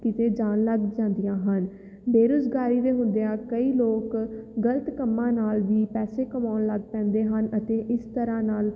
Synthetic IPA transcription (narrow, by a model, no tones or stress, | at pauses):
kɪt̪eːd͡ʒaːnləɡd͡ʒãːnd̪ijãːɦən | beːɾʊzɡaːɾiːd̪eːɦʊ̃nd̪eãːkəiːloːkɡələt̪kəmːãːnaːlʋiːpɛːseːkəmaːnləɡpɛ̃ːnd̪eːɦənət̪eːʔɪst̪əɾãːnaːl